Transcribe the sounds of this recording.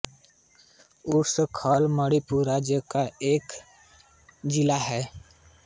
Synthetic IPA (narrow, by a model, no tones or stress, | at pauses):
ʊɾsəkʰaːlməɽipuɾad͡ʒjəkaeːk | d͡ʒɪlaɦɛː